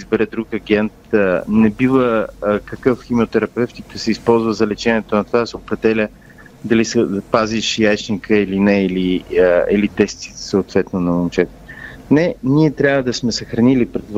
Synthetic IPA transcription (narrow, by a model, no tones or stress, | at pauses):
izbɛɾɛd̪ɾukɐɡɛnt̪̚ənɛbivəkɐkɤfximiot̪ɛɾɐpɛft̪id̪əsɛispɔlˠzvəzɐlɛt͡ʃɛniɛt̪onɐt̪ovad̪sɛopɾɛd̪ɛlʲə | d̪ɐlisɛpaziʃjajt͡ʃnikəilinɛiliilit̪ɛst̪si̥səot̪vɛt̪nonɐmont͡ʃɛt̪ | nɛniɛt̪ɾʲjavəd̪ɐsmɛsəxɾɐnilipɾɛd̪